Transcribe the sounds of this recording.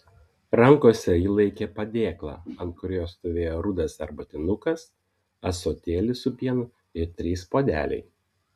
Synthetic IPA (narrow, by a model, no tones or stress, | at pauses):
ɾɐŋkoːsʲɛjiːlˠɐɪkʲeːpɐd̪ʲeːklˠɑ̰ːɐnt̪̚kʊɾʲoːst̪oːʋʲeːjoːɾʊd̪ɐsɐ̰ɾbɐt̪ʲɪnʊkɐs | ɐsoːt̪ʲeːlʲɪsʊpʲiɛnʊ | ɪɾt̪ʲɾʲiːspoːd̪ʲæ̰ːlʲɛ̰ɪ